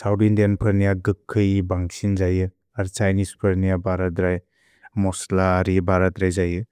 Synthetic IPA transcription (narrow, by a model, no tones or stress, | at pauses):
sawdindanpʰɯɾnijaɡɯkʰːɯjbaŋsinzajɯ | aɾt͡ʃajnispʰɯɾnijabʱaɾatɾaj | mɔslaːɾibʱaɾatɾajzajɯ